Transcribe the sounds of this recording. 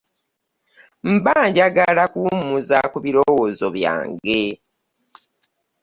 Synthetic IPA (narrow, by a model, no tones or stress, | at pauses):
m̩baːɲɟaɡalakumuzakuβiɾowozoβja̰ːŋɡe